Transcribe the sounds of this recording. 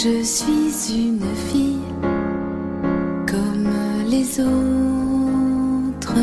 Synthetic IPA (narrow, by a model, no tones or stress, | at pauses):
ʒəsɥizynfij | kɔmlezo | t̪χə